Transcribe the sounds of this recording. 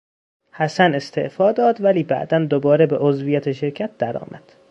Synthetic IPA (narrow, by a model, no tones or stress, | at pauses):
hæsæne̞st̪ʰe̞̰ʔfɒːd̪ɒːd̪væliːbæ̰ʔd̪ænd̪obɒːɾebeʔozvijæt̪ʰeʃe̞ɾcʰæt̪̚d̪̥æɾɒ̰ːmʔæd̪̥